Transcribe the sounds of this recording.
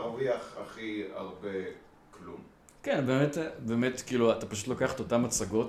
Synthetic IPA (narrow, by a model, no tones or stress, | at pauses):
ʁviaχa̰χia̰ʁbe | klum | kenbe̞ːmetbeːme̞tkiːluatapaʃu̥tlokaχḁt̪o̞tamat͡saɡo̞t